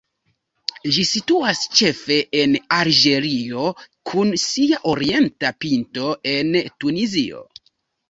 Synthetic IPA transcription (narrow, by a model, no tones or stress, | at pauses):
ʒisituast͡ʃe̞fe̞ʔenaɾd͡ʒe̞ɾio̞kʰunsiaʔo̞ɾie̞ntapinto̞e̞ntunizio̞̰